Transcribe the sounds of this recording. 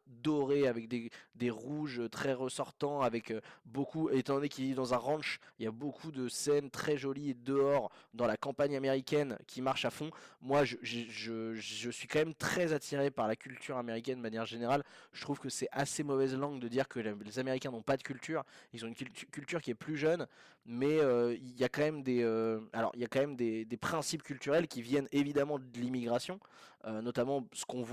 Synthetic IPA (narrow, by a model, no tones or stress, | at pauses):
d̪ɔʁeavɛk̚d̪ed̪eʁuʒøt̪χɛʁəsɔʁt̪ɑ̃avɛkøbokuet̪ɑ̃d̪ɔnekʲivid̪ɑ̃zɛ̃ʁɑ̃ʃiljabokʰud̪əsɛnt̪χɛʒɔlied̪əɔʁd̪ɑ̃lakɑ̃paɲameʁikʲɛnkʲʰimaʁʃafɔ̃mwaʒəʒeʒəʒəsɥikɑ̃mɛmt̪χɛzat̪ʰiʁepaʁlakʲylt̪ʰyʁameʁikʲɛnd̪əmanjɛʁʒeneʁalʒ̥ə̥t̪χuvkəsɛasemɔvɛzlɑ̃ɡd̪əd̪iʁkəlezameʁikʲɛ̃nɔ̃pad̪əkʲylt̪yːʁilzɔ̃ynkʲylt̪kʲylt̪yʁkʲiɛplyʒœn | mɛøiljakɑ̃mɛmd̪eøalɔ̰ʁiljakɑ̃mɛmd̪ed̪epχɛ̃sipkʲylt̪yʁɛlkʲivjɛnevid̪amɑ̃d̪əlimiɡʁasjɔ̃ønɔt̪amɑ̃sə̥kɔ̃v